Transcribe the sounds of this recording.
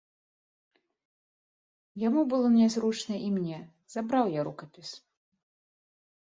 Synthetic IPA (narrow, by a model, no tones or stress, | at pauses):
jamubɨlˠɔnʲɛzɾut͡ʂnɐʔimnʲɛ | z̥abɾawjaɾukɐpʲis